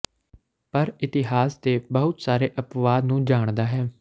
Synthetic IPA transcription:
pəɾɪt̪ɪɦaːst̪eːbəɦʊt̪saːɾeːʔəpʋaːd̪nũːd͡ʒaːɳ̃d̪aːɦɛː

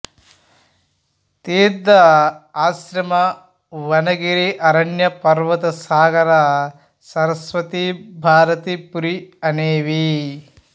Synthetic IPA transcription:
t̪eːd̪ɐaːsɾɐmɐ | ʋɐnɐɡiɾiʔɐɾɐɳjɐpɐɾʋɐt̪ɐsaːɡɐɾa | sɐɾɐsʋɐt̪ibʱaːɾɐt̪ipuɾiɐneːʋi

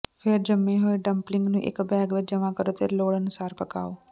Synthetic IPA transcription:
pʰɪɾd͡ʒəmːẽɦoːeɖə̃mplɪ̃ŋɡnũːʔɪ̰kbɛːɡʋed͡ʒəmãkəɾot̪eloːɽənʊsaːɾpəka̰ːoː

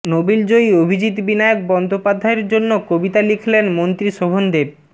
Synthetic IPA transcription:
nobild͡ʑojobʱid͡ʑit̪binajok̚bɔnd̪opad̪ʱːaeɾd͡ʑonːokobit̪alikʰilenmont̪ɾiʃobʱond̪eɾ

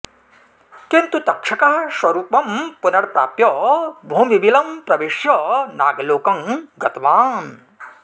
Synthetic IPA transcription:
kint̪ut̪ɐkʂɐkɐɐsʋɐɾuːpɐmpunɐɽpɾa̰ːpjɔbʱuːmibilɐmpɾɐʋeʃjɐnaːɡloːkɐŋɡɐt̪ɐʋaːn

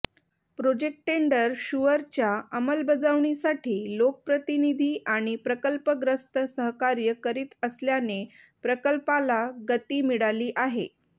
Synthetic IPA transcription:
pɾod͡ʑek̚ʈʈeɳɖəɾɕuʋəɾt͡ɕjaəməlbəd͡zaʋɳ̃isaʈʰiːlok̚əpɾət̪inid̪ʱiːʔaɽ̃ipɾəkəlpəɡɾəst̪əsəɦkaɾjəkəɾiːt̪əsljane | pɾəkəlpalaɡət̪iːmiɽaliːʔaɦḛ

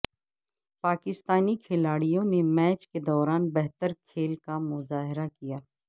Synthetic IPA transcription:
paːkɪst̪aːnikʰɪlaːɽijõnemɛːt͡ʃked̪ɔːɾaːnbɛɦt̪əɾkʰeːlkamʊzaːɦɪɾakijaː

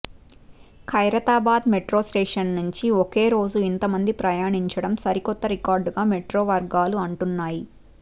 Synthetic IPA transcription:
kʰɐjɾɐt̪aːbaːd̪meʈɾo̞ːsʈeːʂɐnːuɲt͡ʃiokeːɾo̞ːd͡ʒuint̪ɐmɐnd̪ipɾɐjaːɳiɲt͡ʃɐɽɐmsɐɾikɔt̪ːɐɾikaːɾɖɡaːmeʈɾoːʋɐɾɡaːluɐɳʈunːaːji

